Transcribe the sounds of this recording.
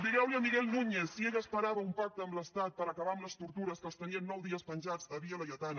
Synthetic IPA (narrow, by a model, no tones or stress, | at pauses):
d̪iɣɛwliəmiɣɛlˠnuɲesːieʎəspəɾaβəumpak̚t̪əːmləst̪at̪̚pəɾəkəβaəmləst̪uɾt̪uɾəskəlˠst̪əniənːɔwðiəspənʲʒad͡zəβiələʎət̪an